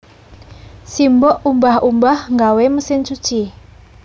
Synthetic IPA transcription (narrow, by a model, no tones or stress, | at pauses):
simbɔʔumbahumbahŋɡaweməsɪnt͡ʃut͡ʃi